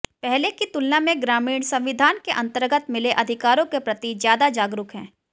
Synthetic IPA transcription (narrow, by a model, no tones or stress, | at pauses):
pɛɦlekit̪ʊlnamẽɡɾaːmiːɳsɐ̃mʋɪd̪ʱaːnkeʔɐ̃nt̪əɾɡət̪mɪleʔɐd̪ʱɪkaːɾõkepɾɐt̪izjaːd̪ad͡ʒaːɡɾʊkɦɛ̰̃ː